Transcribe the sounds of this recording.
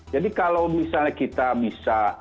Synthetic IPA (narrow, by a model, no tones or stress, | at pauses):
d͡ʒadikalawmisalɲakit̪abisa